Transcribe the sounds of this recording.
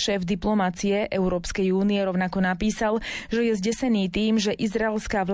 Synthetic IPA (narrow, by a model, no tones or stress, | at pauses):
ʃɛːvd̪iplɔmat͡sijɛʔɛʊɾɔːpskɛjuːnijɛɾɔʊnakɔnapiːsalʒɛjɛzɟɛsɛniːt̪iːmʒɛʔizɾaɛlskaːʋl